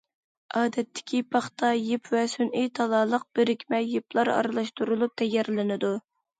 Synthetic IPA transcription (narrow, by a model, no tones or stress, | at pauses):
ɑːd̪ɛt̪ʰːɪ̥kʲʰipʰɑχt̪ʰɑjɪpʰvɛsynijt̪ʰɑlˠɑːlˠəq̚b̥ɪɾɪkʲmɛjeplˠɑɾɑ̰ɾɨlˠɑʃt̪uɾulˠup̚t̪ʰɛjːɛɾlɪnɪd̪u